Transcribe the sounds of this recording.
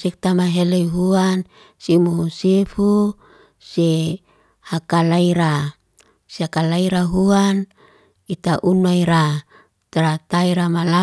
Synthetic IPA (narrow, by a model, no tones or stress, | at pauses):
sik̚t̪amaɦelejɦuan | simuusefu | se | hakalaiɾa | siakalaiɾaɦuan | it̪aʔunuajɾa | t̪ɾat̪aiɾamala